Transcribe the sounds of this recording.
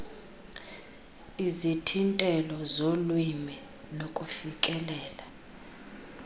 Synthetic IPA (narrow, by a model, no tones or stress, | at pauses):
izitʰintʼɛlɔzolwimɛ | nokʼufikʼɛlɛːla